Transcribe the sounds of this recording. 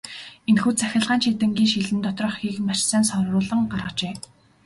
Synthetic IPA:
enxuːt͡sæxʲə̆ɮʁaːnt͡ɕit̪ɘ̆ŋɡʲiːnŋʃiɮɘ̆nt̪ɔt̪rɞ̆χxiːkmarsæːnsɔrrʊːɮə̆ŋɢarʁə̆t͡ɕeː

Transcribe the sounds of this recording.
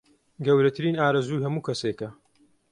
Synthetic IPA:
ɡɐwɾɐt̪ʰɨɾiːnaːɾɐzuːjɦɐmuːkʰɐsekɐ

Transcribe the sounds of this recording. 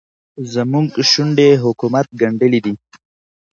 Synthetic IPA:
zəmuŋɡʃuɳɖeɦʊkumat̪̚ɡaɳɖəlid̪i

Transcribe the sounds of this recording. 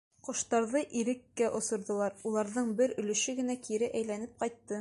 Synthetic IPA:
qŏʃt̪ɑɾðɤʔiɾɘ̆kːæʔŏsŏɾðŏlˠɑɾulˠɑɾðɤɴbɘɾɵ̆lɵ̆ʃɘɡɘ̆nækiɾɘʔæjlænɘp̚qɑjt̪ːɤ

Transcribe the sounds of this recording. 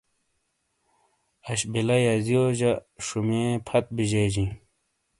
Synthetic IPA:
ɐɕbilɐjɐzijoʑɐʂumẽːpʰɐt̪̚biʑeːd͡ʑĩ

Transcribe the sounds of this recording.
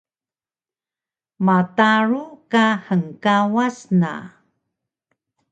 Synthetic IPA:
mataɾukahəŋkawasna̰

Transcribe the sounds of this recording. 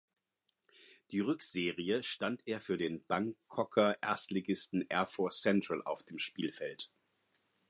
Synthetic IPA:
d̥iːʁʏkz̥eːʁiəʃtanteːɐfyːɐdeːnb̥aŋkʰɔkʰɐʔɛ̰ɐstleɡɪstn̩ʔɛɐfɔɐst͡sɛntʁ̥əlʔa̰ʊfd̥eːmʃpiːlfɛlt

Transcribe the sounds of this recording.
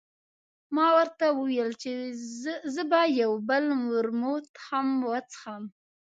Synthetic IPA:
mɑwəɾt̪awəwjəlt͡ʃe | zəbajawbəlmʊɾmot̪xamwat͡sə̥xam

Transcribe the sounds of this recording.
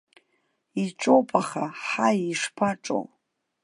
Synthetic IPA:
iʈ͡ʂʼowpʼaχaħajiʂpʰaʈ͡ʂʼo̰w

